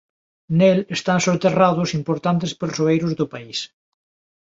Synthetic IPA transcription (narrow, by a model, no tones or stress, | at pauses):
nelest̪ansoɾt̪eraðʊsimpoɾt̪ant̪espeɾsoejɾʊzðʊpais